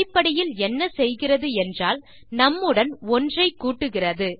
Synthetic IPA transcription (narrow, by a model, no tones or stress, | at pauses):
ɪpːɐɽɐjɪlɛnːɐsɛjɣɪrɐðɯɛndraːl | nɐmːɯɽɐnɔndrɐɪkːuːʈːɯɣɪrɐðɯ